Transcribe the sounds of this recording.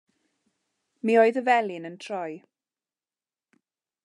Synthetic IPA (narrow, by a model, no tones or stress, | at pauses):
miːoːɨðəvɛlˠɪnəntʰrɔj